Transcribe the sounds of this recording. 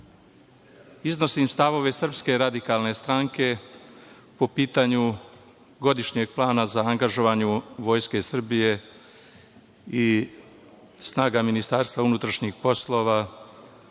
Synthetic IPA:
izno̞simst̪aʋo̞ʋe̞sr̩pske̞ɾad̪ikalne̞st̪ɾaŋke̞ | po̞piːt̪aɲu | ɡo̞d̪iʃɲe̞ɡ̚plˠaːnazaːŋɡaʒo̞ʋaɲuʋo̞ːjske̞sr̩bije̞ | i | snaːɡaminist̪aːɾst̪ʋaunut̪ɾaʃɲixpo̞slˠo̞ːʋa

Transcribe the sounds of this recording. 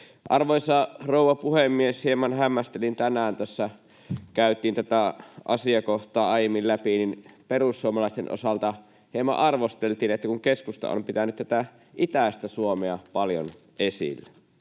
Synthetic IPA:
ʔɑrʋojsɑrouwʋˑɑpuhemːieshiemɑnhæmːæst̪elint̪ænæːnt̪æsːæ | kæyt̪ˑiːnt̪æt̪æʔɑ̰siɑkoht̪ɑːɑijemːillæpininperusːuomɑlɑˑist̪enʔo̰sɑlt̪ɑ | hemɑ̰ʔɑrʋost̪elt̪iːnet̪ːækuŋkeskust̪ɑ̰ʔo̰mpit̪ænyt̪t̪æt̪æ | ʔit̪æˑst̪æsuomeɑpɑljo̰n | ʔesḭlːe

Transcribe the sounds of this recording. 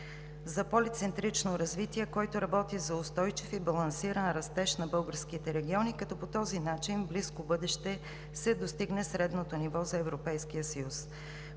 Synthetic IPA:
zɐpolit̪sɛnt̪ɾit͡ʃnoɾɐzvit̪iɛkɔjt̪ʊɾɐbɔt̪izɐʊst̪ɔjt͡ʃifibɐlˠɐnsiɾənɾɐst̪ɛʃnɐbɤlˠɡəɾskit̪ɛɾɛɡʲiɔnikɐt̪ɔpot̪ɔzinat͡ʃinbliskobɤd̪ɛʃt̪ɛ | sɛd̪ost̪iɡnɛsɾɛd̪not̪onivɔzɐɛvɾopɛjskijəsəjus

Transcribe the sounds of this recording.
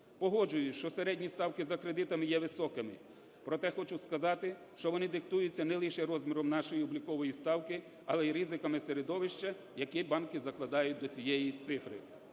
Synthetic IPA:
pɔɦɔd͡ʒʊjʊʃt͡ʃɔseɾɛdʲnʲist̪ɑwkɪzɐkɾed̪ɪt̪ɐmɪjɛʋɪsɔkɪmɪ | pɾɔt̪ɛxɔt͡ʃʊskɐzɑt̪ɪ | ʃt͡ʃɔʋɔnɪd̪ɪkt̪ujʊt͡sʲːɐnɛlˠiʃɛɾɔzʲmʲiɾɔmnɑʃɔjiɔblʲikɔʋɔjist̪ɑwkɪ | ɐlˠɛiɾizɪkɐmɪseɾed̪ɔʋɪʃt͡ʃɐ | jɐkibɑnkɪzɐklˠɐd̪ɑjʊt̚ʲd̪ɔt͡sʲijɛjit̪sɪfɾɪ̰

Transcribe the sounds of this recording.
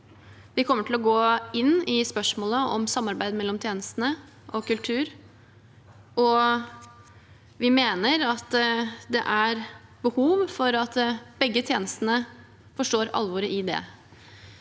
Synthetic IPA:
ʋɪkʰɔmːəʈʰɪlɔɡoːɪnːɪspœʂmoːləɔ̰msɑmːɑɾbæɪd̪mɛlːɔmt̪ʰjeːnəst̪ənə | ʔɔkʉlt̪ʰʉːɾ | ɔ | ʋɪmeːnəɾɑt̪d̪ɛ̰ʔæɾbəhuːʋfɔɾɑt̪bɛɡːət̪ʰjeːnəst̪ənə | fɔʂʈoːɾɑ̰lʋɔɾəʔɪd̪ɛ̰

